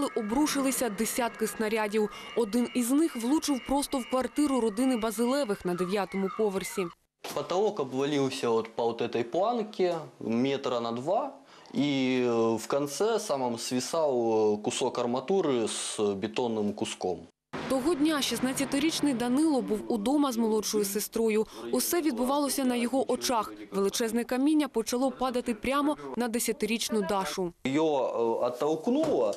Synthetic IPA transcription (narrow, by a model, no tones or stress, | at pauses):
lˠɪʔɔbɾuʃɪlˠɪsʲɐd̪esʲat̪̚kɪsnɐɾʲadʲiw | ɔd̪ɪniznɪxʋlˠut͡ʃɪwpɾɔst̪ɔwkʋɐrt̪ɪɾʊɾɔd̪ɪnɪbɐzɪlˠɛʋɪxnɐd̪eʋʲjat̪ɔmʊpɔʋersʲi | pɐt̪ɐɔkɐbʋɐlʲiwsʲɐɔt̪pɐɔt̪ɛt̪ɐjplˠankʲɪmʲet̪ɾɐnɐd̪ʋa | i | wkɐnt̪sɛsamɐmsʋʲisawkʊsɔkɐrmɐt̪uɾɨsbʲɪt̪ɔnːɨmkʊskɔ̰m | t̪ɔɦɔdʲnʲaʃisnat͡sʲjɐt̪ɪɾʲit͡ʃnɪjd̪ɐnɪlˠɔbuwud̪ɔmɐzmɔlˠɔɔjʊsest̪ɾɔjʊʊsɛʋʲid̪̚bʊʋɑlˠɔsʲɐnɐjɔɦɔʔɔt͡ʃɑxʋelˠɪt͡ʃɛznɛkɐmʲinʲːɐpɔt͡ʃɐlˠɔpɑd̪ɐt̪ɪpɾʲamɔnɐd̪esʲɐt̪ɪɾʲit͡ʃnʊd̪ɑʃʊjɔɐt̪ːɐwknulˠɐ